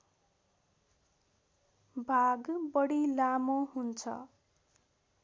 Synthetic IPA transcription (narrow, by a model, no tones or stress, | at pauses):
bʱaɡbʌɽilamoɦunt͡sʰʌ̰